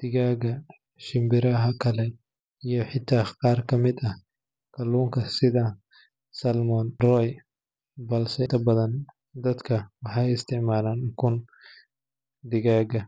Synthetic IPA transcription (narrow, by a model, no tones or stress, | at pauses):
d̪̥ɪɣaːɡɐ | ʃɪmbɪɾɐɦɐkʰɐlɛ | ijɔħɪt̪ʰaːqɑːrkʰɐmɪd̪ɐh | kʰɐluːŋkʰɐsɪðɐ | sɐlmɔnrɔj | bɐlsɛt̪ʰɐbɐðɐn | d̪ɐd̪kʰɐwɑħɑjɪst̪ʰɪʕmaːlaːnkʰʊn | d̪ɪɣaːɡɐ